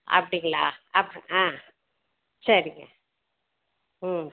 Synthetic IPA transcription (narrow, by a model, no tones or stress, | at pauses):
ɐ̰pːɐɽɪŋɡɐɭaːɐpːɽãː | sɐɾɪŋɡɐ̰